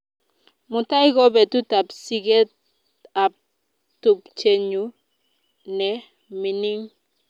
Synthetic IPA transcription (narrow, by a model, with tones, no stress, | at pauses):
mʊ˨ta˦i˦ɡɔ˦bɛ˨tu˦ta˨psi˦ɡe˦t̚ | a˨p̚ | tu˨pt͡ʃe˨ɲu˨˦ | nɛ˨ | mi˨ni˦ŋ